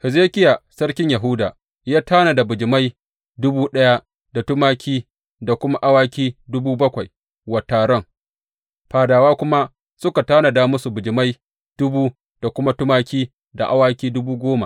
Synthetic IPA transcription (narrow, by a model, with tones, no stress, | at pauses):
hɪ˨zeː˦kʲɪ˦ja˨sɐ˦ɽkʲɪ˦ɲja˨ɦʊ˦daː˨ | jaː˦taː˦na˨da˨bʊ˨d͡ʒɪ˨ma˦j | dʊ˦buː˦ɗɐ˦ja˦ | da˨tʊ˦maː˦kʲiː˦ | da˨kʷʊ˦ma˦ʔa˦waː˦kʲiː˦dʊ˦buː˦bɐ˦kʷa˨j | wa˨taː˨ɽɔ˦ŋ | ɸaː˨daː˨waː˦kʷʊ˦ma˦ | sʊ˦ka˨taː˦na˨daː˦mʊ˦su˨bʊ˨d͡ʒɪ˨ma˦j | d̥ʊ˦buː˦ | d̥a˨kʷʊ˦ma˦tʊ˦maː˦kʲiː˦ | da̰˨ʔa˦waː˦kʲiː˦dʊ˦buː˦ɡʷoː˦ma̰˨